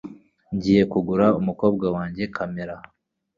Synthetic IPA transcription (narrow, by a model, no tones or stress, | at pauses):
ɲɟiːje̞kuɡuɾaumuko̞ːbɡawaːɲɟe̞kʰameɾa